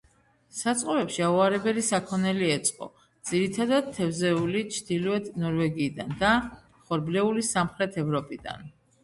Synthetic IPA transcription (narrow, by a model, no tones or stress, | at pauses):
sat̪sʼqʼɔɾɛpʃiauaɾɛbɛlisakʰɔnɛliɛt̪sʼqʼɔ̰ | d̪z̥iɾit̪ʰad̪ad̪̚t̪ʰɛvzɛulit͡ʃʰd̪̥ilɔɛd̪nɔɾvɛɡiːd̪and̪a | χɔɾblɛulisamχɾɛt̪ʰɛvɾɔpʼid̪a̰n